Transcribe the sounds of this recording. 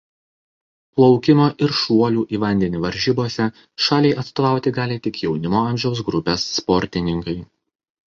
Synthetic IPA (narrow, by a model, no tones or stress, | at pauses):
plˠɒʊkʲɪmoːʔɪɾʃuɔlʲuːʔiːʋɐnʲd̪ʲɛnʲɪʋɐɾʲʒʲiːboːsʲɛ | ʃɑːlʲɛɪʔɐt̪st̪ɔːʋɑˑʊt̪ʲɪɡɑːlʲet̪ʲɪkjɛʊnʲɪmoːɐmʲʒʲɛʊs̬ɡɾʊpʲɛsːpɔɾʲt̪ʲɪnʲɪŋkɐɪ